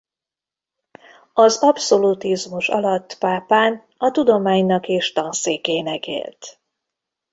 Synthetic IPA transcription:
ɒzɒpso̞lut̪izmuʃɒ̰lɒt̪ːpaːpaːn | ɒt̪ud̪o̞maːɲnɒkeːʃt̪ɒnseːkeːnɛkḛːlt̪

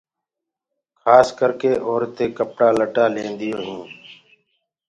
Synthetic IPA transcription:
kʰaːskəɾkeːʔɔːɾt̪eːkəpɽaːləʈaːlẽːnd̪ɪjoːɦũː

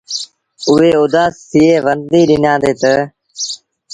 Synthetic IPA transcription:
ʊɦeːʊd̪aːst̪ʰiːeːʋənd̪d̪iːɗɪnãːd̪eːt̪ə

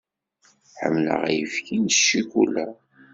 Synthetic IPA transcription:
ħə̰mːlə̰ʁæjəfkinʃːikulæ

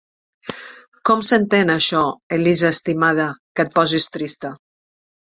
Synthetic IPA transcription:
kɔmsənt̪enaʃɔelizaːst̪imað̞əkət̪̚pɔzist̪ɾist̪ə

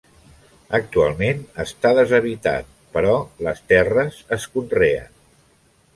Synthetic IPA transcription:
ək̚t̪ualˠmenəst̪aðəzəβ̞it̪a̰t̪̚ | pəɾɔləst̪ɛrəzəskunreə̰n

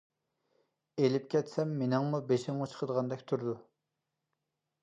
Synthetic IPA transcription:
elɪp̚kʲɛt̪sɛmːenɪŋmubeʃɪŋmɑt͡ʃʰə̥qʰəd̪əʁɑnd̪ɛkʲt̪ʰuɾd̪u

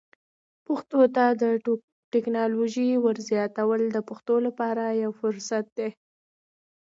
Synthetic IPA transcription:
pʊxt̪ot̪ad̪ə | ʈɪknɑloʒiwəɾzjɑt̪awəld̪əpʊxt̪olapɑɾajawfʊɾsat̪̚d̪e

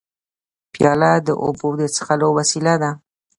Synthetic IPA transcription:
pjɑlad̪əʔo̰bod̪ət͡sə̥xalowasilad̪a

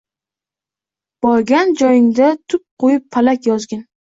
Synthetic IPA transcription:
b̥ɒɾɡʲand͡ʒɒjɪŋd̪at̪ʰʊp̚qʰojɪpʰːalakʲjɒzɡʲan

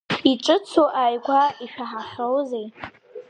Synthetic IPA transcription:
iʈ͡ʂʼɨt͡sʰoʔajɡʷaiʃᶣaħaχʲowzej

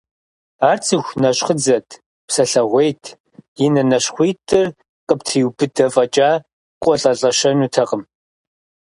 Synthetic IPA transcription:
aːrt͡sʰʼɨxʷnɐɕχəd͡zɐtʰ | psɐɬɐʁʷejtʰ | jɪnɐnɐɕχʷiːtʰʼɨr | qʼəptʰiwbɨdɐfʼɐt͡ʃʼaː | qʷʼɔɬʼɐɬʼɐʃɐnuːtʰɐqəm

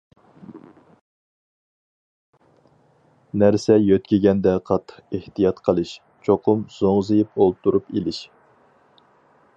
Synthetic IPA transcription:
næɾsɛjøt̪kʲiɡʲɛnd̪ɛqʰɑt̪ʰːə̥qeht̪ijɑt̪qʰəlˠɨʃ | t͡ʃʰoqʰʊmz̥oŋzɨjip̚olˠt̪ʰuɾupelɪʃ

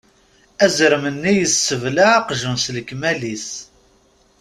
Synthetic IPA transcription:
æzəɾmənːijəsːəvlaːqʒəmsləkmælis

